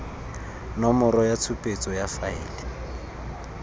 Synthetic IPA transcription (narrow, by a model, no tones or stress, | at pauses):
nɔmɔɾɔjat͡sʰupʼet͡sʼɔjafaɪ̰ːlɛ